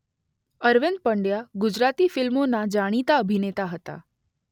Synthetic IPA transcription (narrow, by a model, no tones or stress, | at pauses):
əɾʋend̪̚pəɳɖjaɡud͡ʑɾat̪ifɪlmonad͡ʒaɽ̃it̪aəbʱinet̪aɦət̪a̰